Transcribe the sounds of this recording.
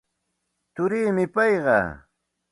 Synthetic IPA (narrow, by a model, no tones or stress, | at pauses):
t̪ʊɾiːmɪpɑjɢɑ̰